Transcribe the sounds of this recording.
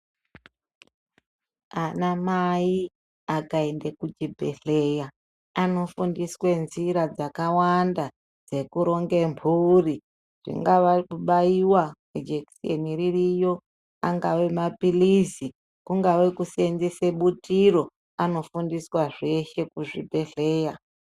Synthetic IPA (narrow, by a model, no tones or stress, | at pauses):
anamai | akae̞ndekud͡ʒibʱḛɬeja | ano̞fundiswe̞nziɾad͡zakawanda | d͡ze̞kuɾo̞ŋɡe̞mpʰuri | ʐ̥ḭŋɡaʋauɓaiwaked͡ʒeksḛniririjo̞ | aŋɡawe̞mapilizi | kuŋɡawe̞kusenzeseɓutiɾo̞ | ano̞fundiswaʐe̞ʃe̞kuʐibʱe̞ɬe̞ːja